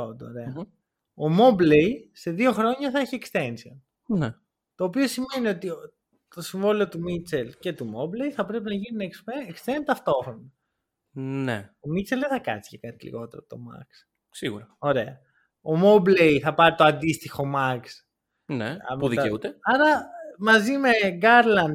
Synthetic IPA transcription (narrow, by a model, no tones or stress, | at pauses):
od̪ooɾeɐ | omo̞blejse̞ðio̞xɾo̞ɲɐθɐeçiekst̪e̞nsion | ne | t̪o̞ːpio̞sime̞nio̞t̪i | t̪o̞siɱvo̞liot̪umit͡se̞lce̞t̪umo̞ble̞jθɐpɾe̞pinɐʝininɐkspeekst̪ent̪ɐft̪o̞xɾonɐ | nḛomit͡selðeθɐkɐ̰t͡si̥cekɐt̪ilḭɣo̞t̪e̞ɾo̰p̚t̪o̞mɐ̰ks | siɣṵɾɐo̞ɾe̞ɐ | omo̞blejθɐpɐɾit̪oɐnd̪ist̪ixo̞mɐks | nḛuðieut̪eɐɾɐmɐzime̞ɡɐɾlɐnd